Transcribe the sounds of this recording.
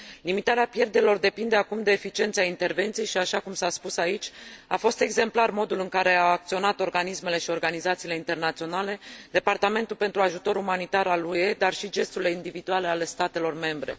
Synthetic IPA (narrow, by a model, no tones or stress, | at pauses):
limit̪aɾeapje̞rd̪e̞ɾilo̞rd̪e̞pind̪e̞akumd̪e̞ːfit͡ʃie̞nt̪seaint̪e̞rve̞nt̪siejʃiaʃakumsaspusait͡ʃʲafo̞st̪e̞ɡze̞mplarmo̞d̪ulɨŋkaɾe̞aːk̚t̪sio̞nat̪o̞rɡanisme̞le̞ʃio̞rɡanizat̪siːle̞int̪e̞rnat̪sio̞nale̞d̪e̞part̪ame̞nt̪ulpe̞nt̪ɾuaʒut̪o̞ɾumanit̪aɾalue̞d̪arʃid͡ʒe̞st̪uɾile̞ind̪ivid̪uale̞ale̞st̪at̪e̞lo̞rme̞mbɾe̞̰